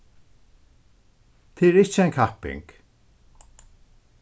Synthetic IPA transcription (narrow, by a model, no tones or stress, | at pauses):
t̪ʰɪɛɾɪt͡ʃːəaŋkʰahpɪ̰ŋk